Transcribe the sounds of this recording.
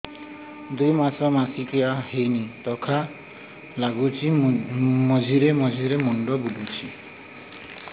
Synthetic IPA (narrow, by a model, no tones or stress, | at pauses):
d̪ujmasɔmasikijahejnit̪ɔkʰa | laɡut͡ʃʰi | mɔd͡ʒʱiɾemɔd͡ʒʱiɾemɔɳɖɔbulut͡ʃʰi